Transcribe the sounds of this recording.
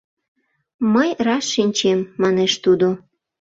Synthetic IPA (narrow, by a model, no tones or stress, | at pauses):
məjrɑsːinʲt͡ɕemːɑneʃt̪ud̪o